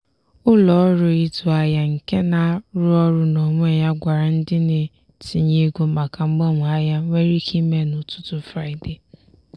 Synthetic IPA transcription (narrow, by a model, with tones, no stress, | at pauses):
ʊ˦lɔ˨˦ɾʊ˨i˦tʊ˨a˦ja˦ŋ̩˨ke˦na˦ɾʊ˦ɔ˦ɾʊ˦no˨ŋʷ˦e˦˨ja˦ɡʷa˨ɾa˨n̩˦dɪ˦nɪ˨ | ti˨ɲe˦ɡʷu˨ma˨ka˨ŋ͡m̩˦ɡ͡bɔ˦˨mʊ˨a˦ja˦ŋʷe˦ɾi˦kʰi˦me˦nʊ˨tʊ̥˦tʊ˦fɾa˦ɪ˨de˨